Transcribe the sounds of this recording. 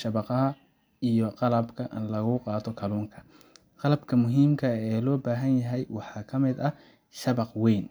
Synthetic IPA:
ʃɐβɑqɑɦɐ | ijɔqɑlɐbkʰɐʔɪ̰nlɐɣʊqɑːt̪ʰɔkʰɐluːŋkʰɐ̥ | qɑlɐbkʰɐmʊɦiːmkʰɐɛːlɔːbaːɦɐnjɐɦɛjwɑħɑːkʰɐmɪd̪ɐ | ʃɐβɑqwɛjn

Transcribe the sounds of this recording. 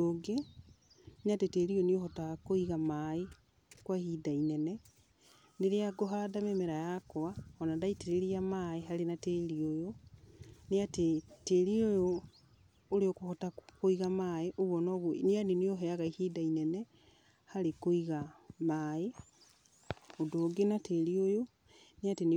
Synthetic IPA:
oɡe | nateteɾioniohɔtaɣakoiɣamae | kwahidainɛnɛ | neɾeaɡoɦadamemeɾajakwaɔnadaiteɾeɾiamaeɦaɾenateɾiojo | neateteːɾiojoː | ɾeokohɔtakoiɣamaːeʔoβwɔnɔβwneaneneoɦɛaɣaihidainɛnɛ | haɾekoiɣamaːe | odoːɡenateɾiojo | neaten

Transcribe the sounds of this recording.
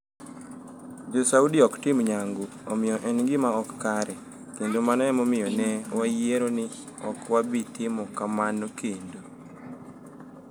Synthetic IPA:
d͡ʒosaudiɔktɪmɲaŋɡuɔmɪjɔʔɛnŋɡɪmaɔkːaɾɛ | kendomanɔɛmomɪjɔnɛwajeɾonɪ | ɔkwabitɪmɔkamanokʰendo

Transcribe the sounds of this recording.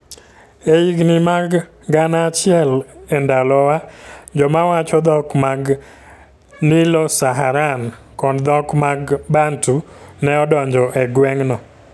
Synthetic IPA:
eiɡnɪmaɡ | ɡanat͡ʃɪɛlɛndalɔwad͡ʒɔmawat͡ʃɔd̪ɔkmaɡ | nilɔsaɦaɾan | kɔdd̪ɔkmaɡbantu | nɛɔdɔɲd͡ʒɔʔɛɡwɛŋnɔ

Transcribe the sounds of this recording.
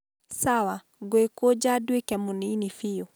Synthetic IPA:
sawa | ɡoekod͡ʒadwekɛmuninifijo

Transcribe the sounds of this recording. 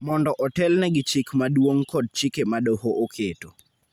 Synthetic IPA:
mɔndɔʔɔtɛlnɛɡɪt͡ʃikmaɗwoŋkɔd̚t͡ʃikemaɗohoʔokʰeto

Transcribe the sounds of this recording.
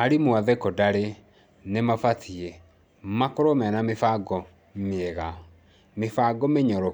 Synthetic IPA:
aɾimwaðɛkɔdaɾe | nemafatʰiɛ | makoɾomɛnamefaɡɔ | meɛɣa | mefaɡɔmeɲɔɾɔ

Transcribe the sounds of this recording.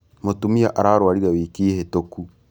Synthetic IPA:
motumiaʔaɾaːɾwaɾiɾawiːkiːhetoku

